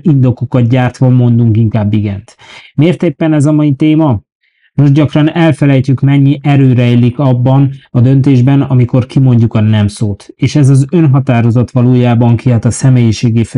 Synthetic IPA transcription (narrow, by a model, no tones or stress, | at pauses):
ind̪o̞kokɒt̪̚ɟaːrt̪ʋɒmo̞nd̪uŋkiŋkaːbːiɡɛnt̪meːrt̪eːpːɛnɛzɒmɒjit̪eːmɒ | no̞ʒɟɒkrɒnɛlfɛlɛjcykmɛɲːiʔɛɾøːɾɛilikɒbːɒnɒd̪ø̞nt̪eːʒbɛnɒmiko̞rkimo̞ɲɟukɒnɛmsoːt̪eːʃɛzɒzønɦɒt̪aːɾo̞zot̪ʋɒloːjaːbɒŋkiɦɒt̪ɒsɛmeːjiʃeːɡif